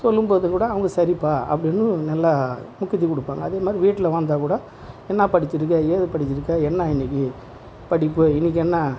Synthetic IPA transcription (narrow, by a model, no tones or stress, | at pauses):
sɔlːɯmpoːðɯkuːɽɐːʋɐŋɡɐsɐɾipːaːɐ̰pːɐɽɪnːɯnɐlːaːmʊkːɪt̪ːikɔɽɯpːaːŋɡɐ̰ːðeːmaːd̪ɾiʋiːʈːɪlɐʋaːnd̪aːkuːɽɐ | ɛnːapɐɽɪt͡ʃːɪɾɯk̬ːɐjeːðɯpɐɽɪt͡ʃːɪɾɯkːɐɛnːaːɪnːɪk̬ːɯ | pɐɽɪpːɯɪnːɪk̬ːɛnːɐ